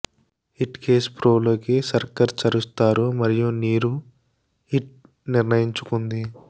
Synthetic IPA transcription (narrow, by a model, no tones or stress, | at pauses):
hiʈke̞ːspɾo̞ːloːkisɐɾkɐɾt͡ʃɐɾust̪aːɾumɐɾijuniːɾu | hiʈ̚ | niɾnɐjiɲt͡ʃu̥kund̪i